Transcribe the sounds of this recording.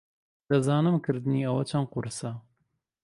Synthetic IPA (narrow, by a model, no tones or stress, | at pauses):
d̪ɐzɑːnɨmkʰɨɾd̪ɨniːɐwɐt͡ʃʰɐnqʊɾsɐ